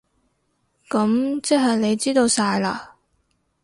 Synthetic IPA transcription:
kɐ˨˥mt͡sɛ˥ɦɐ˨jle˨˧jt͡siː˥t̪o˧wsaː˧jla̰˧

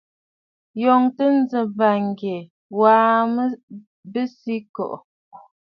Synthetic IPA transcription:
jɔ˨ŋtə˦n̩˦zə˨ba˨ŋ˨ɡe˨ | waː˦mə˦ | bə˦si˦kɔ̰˨ʔ

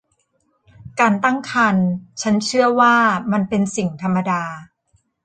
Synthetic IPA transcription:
kaː˧nt̪a˥˩ŋkʰa˧nt͡ɕʰa˦˥nt͡ɕʰɯ˥˩ɐwaː˥˩ma˧npe˧nsi˨˩ŋt̪ʰa˧mːa˧daː˧

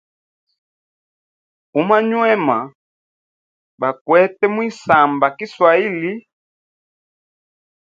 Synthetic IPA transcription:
u˨˦ma˦ɲwɛ˦ma˨ | ba˨kwɛ˦tɛ˦mwi˦sa˨mba˨ki˦swa˨i˦li˦

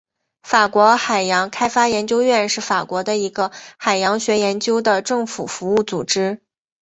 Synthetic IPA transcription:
fa˨˩kwɔ˧˥xa˨˩ɪjɑ˧˥ŋkʰa˥ɪfa˥jɛ˧˥nt͡ɕjo˥ʊɥɛ˥˧nʂɻ̩˥˩fa˨˩kwɔ˧˥d̪ə˧i˧˥ɡə˧xa˨˩ɪjɑ˧˥ŋɕɥɛ˧˥jɛ˧˥nt͡ɕjo˥ʊd̪ə˨ʈ͡ʂɤ˥˩ŋfṵ˨˩fu˧˥u˥˩t͡su˨˩ʈ͡ʂɻ̩˥

